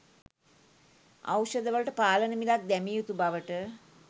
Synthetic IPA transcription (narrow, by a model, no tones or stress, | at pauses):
a̰wʃəd̪əʋələʈəpaːlənəmilak̚d̪æmijut̪ubaʋəʈə